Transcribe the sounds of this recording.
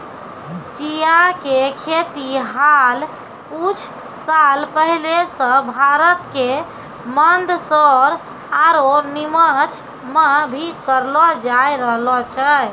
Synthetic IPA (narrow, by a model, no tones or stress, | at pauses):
t͡ʃijakekʰet̪iɦal | ut͡ʃʰ | salpəɦilesə̃bʱaɾət̪ke | mənd̪ʱsɔɾ | aɾonimət͡ʃʰ | məbʱikəɾlɔd͡ʒajɾəɦlɔt͡ʃʰə